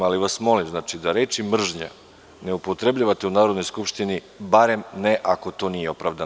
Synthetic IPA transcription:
aliʋasmo̞limznaːt͡ʃid̪aɾe̞ːt͡ʃimr̩ʒɲa̰ | neupo̞t̪ɾe̞bʎaʋat̪e̞unaːɾod̪no̞jskupʃt̪ini | baɾe̞mneʔako̞t̪o̞nije̞o̞pɾaʋd̪an

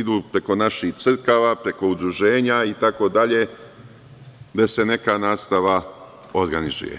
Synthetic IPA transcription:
id̪uːpɾe̞ko̞naʃiht̪sr̩kaʋapɾe̞ko̞ud̪ɾuʒe̞ːɲait̪ako̞d̪aʎe̞ | d̪ese̞ne̞kanaːst̪aʋa | oɾɡanizṵjḛ

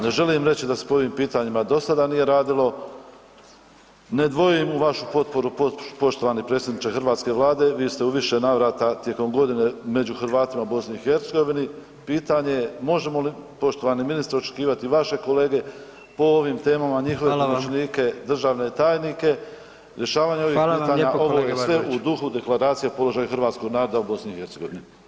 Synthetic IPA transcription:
ne̞ʒe̞limɾe̞t͡ɕid̪ase̥po̞o̞ʋiːmpiːt̪aɲimad̪o̞sad̪anije̞ɾaːd̪ilo̞ | ne̞d̪ʋo̞jujimuʋaʃupo̞t̪po̞ɾupopo̞ʃt̪o̞ʋanipɾet̪sjed̪nit͡ʃexɨrɾʋaːt̪ske̞ʋlˠaːd̪e̞ʋiːst̪euʋiʃe̞naʋɾaːt̪at̪je̞ko̞mɡo̞d̪ine̞me̞d͡ʑuxɾʋaːt̪imabo̞sniixeɾt̪se̞ɡo̞ʋini | piːt̪aɲejemo̞ʒe̞mo̞lipo̞ʃt̪oʋaniminist̪aɾo̞t͡ʃekiːʋat̪iʋaʃe̞ko̞le̞ːɡe̞ | po̞oʋimt̪e̞ːmamaɲixo̞ʋepomot͡ʃniːke̞d̪r̩ʒaːʋne̞t̪aːjnike̞ | ɾje̞ʃaːʋaːɲeo̞ʋiːiːt̪aɲao̞ʋojeesʋe̞ud̪uxud̪e̞klaɾaːt̪sijepo̞lo̞ʒaːjuxɨɾʋaːt̪sko̞ɡnaːɾo̞d̪aubo̞sniihe̞ɾt̪seɡo̞ʋini

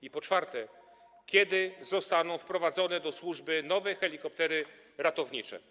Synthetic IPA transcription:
ipɔt͡ʂfaɾt̪ɛ | kʲjɛd̪ɘzɔst̪anɔ̃w̃fpɾɔvad̪zɔnɛd̪ɔswuʐbɘnɔvɛjxɛlʲikɔp̚t̪ɛɾɘ | ɾat̪ɔvɲit͡ʂɛ̰

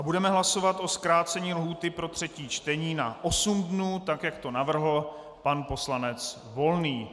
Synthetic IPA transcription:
ʔabudɛmɛɦlaso̞vat̪ʔo̞skɾaːt͡sɛɲiːlɦuːt̪ɪpɾo̞t̪r̝̥ɛciːt͡ʃt̪ɛɲiːna̰ʔo̞sumdnuːt̪akjakt̪o̞navr̩ɦl̩ | panpo̞slanɛt͡s | vo̞lniː

